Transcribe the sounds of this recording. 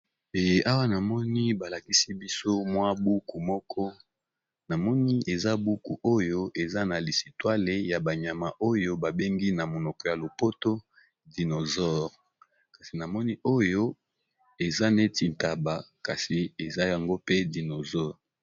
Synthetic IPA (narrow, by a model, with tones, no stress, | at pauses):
e˨jʔa˦wa˦na˨mɔ˦ni˦ba˨la˨ki˦si˦bi˦so˦mwa˦bu˦ku˨mɔ˦kʰɔ˦ | na˨mɔ˦ni˦e˨za˦bu˦ku˨ʔo˦jo˦ʔe˨za˦na˨li˨si˨twa˦le˨ja˨ba˨ɲa˨ma˨ʔo˦jo˦ba˨be˦ŋɡi˦na˨mo˨nɔ˨kɔ˨ja˨lo˨po˦to˦ | di˨no˨zɔ˦ʁ | ka˨si˨na˨mɔ˦ni˦ʔo˦jo˦ | e˨za˦ne˦ti˨nta˨ba˨ka˨si˨e˨za˦ja˨ŋɡo˦pe˦di˨no˨zɔ˦ʁ